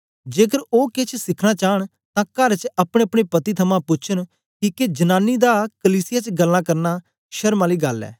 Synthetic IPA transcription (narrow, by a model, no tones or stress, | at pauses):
d͡ʒeːk̬əɾoːkɪt͡ʃʰsɪkʰɽ̃at͡ʃaːəɽ̃ | t̪ãːkəɾt͡ʃɐpɽ̃ẽɐpɽ̃epɐt̪it̪ʰɐmãpʊt͡ʃʰən | kiːked͡ʒɐnaːnːid̪aːkəliːsɪjat͡ʃɡəlːãːkɐɾna | ʃɐɾmãːliːɡɐlːɛ̰ː